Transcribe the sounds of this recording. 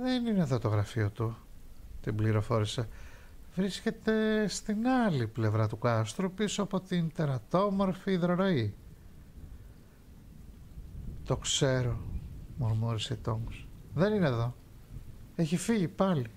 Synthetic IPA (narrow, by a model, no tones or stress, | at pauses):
ðenineðot̪o̞ɣɾɐfiot̪ut̪imbliɾo̞fo̞ɾise | vɾisce̞t̪e̞st̪inɐliple̞vɾɐt̪ukɐst̪ɾupisoɐpo̞t̪int̪eɾɐt̪o̞mo̞ɾfiːðɾoɾo̞i | t̪o̞kse̞ɾomomuɾiseit̪o̞ŋɡsðe̞nineðo̞ | eçifiʝipɐli